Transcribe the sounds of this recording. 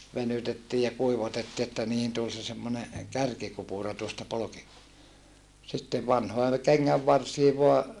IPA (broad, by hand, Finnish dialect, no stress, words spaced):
ʋenytetːiː jɑ kuiʋɑtetːi etːæ niːhin tul se semːone kærkikupuˑrɑ tuostɑ polki sitːeʋ ʋɑnhoe keŋːæʋːɑrsiː ʋoɑ